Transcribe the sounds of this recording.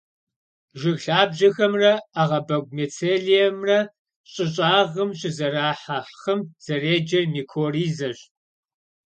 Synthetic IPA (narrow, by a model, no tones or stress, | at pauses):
ʒɪɣɬaːbʑɐxɐmrɐaːʁɐbɐɡ̚ʷmet͡sʰeːɮijɛmrɐ | ɕʼɪɕʼaːʁəmɕʼɪzɐɾaːħaħχɐmz̥ɐreːd͡ʒɐrmiːkʰoːriːzɐɕ